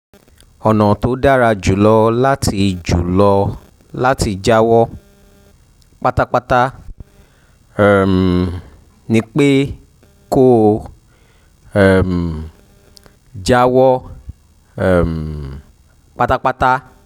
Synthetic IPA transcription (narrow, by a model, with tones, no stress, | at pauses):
ɔ˨nɔ̃˨to˨˦da˦ɾa˧d͡ʒu˨˦lɔ˧la˦tʰi˧d͡ʒu˨˦lɔ˧ | la˦ti˧d͡ʒa˦wɔ˦ | k͡pa˦ta˦k͡pa˦ta˦ | ɛ˨m | nĩ˧˦k͡pe˦ | ko˦ | ɛ˨m˨ | d͡ʒa˦wɔ˦ | ɛ˨m˨ | k͡pa˦ta˦k͡pa˦ta˦